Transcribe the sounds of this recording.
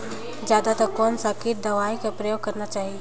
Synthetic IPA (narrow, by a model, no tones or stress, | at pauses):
d͡ʒjaːd̪at̪ɐkɔːnsakiɾ̚d̪ɐʋaːikapɾɐjoːɡ̚kɐɾnat͡ʃaːɦie